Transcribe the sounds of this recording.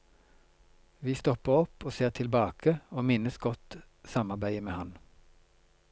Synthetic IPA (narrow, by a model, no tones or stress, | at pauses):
ʋiːst̪ɔpəʁɔpoːseːʁt̪ʰɪlbɑːkʰəoːmɪnəsɡɔt̪ | sɑmɑʁbæɪəmeːhɑn